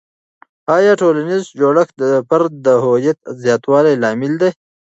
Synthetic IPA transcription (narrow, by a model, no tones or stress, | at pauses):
ɑːjɑːʈoːlanizd͡ʒoːɽəxd̪əpaɾd̪əɦojat̪̚zjɑːt̪wɑːlajlɑːmɪld̪e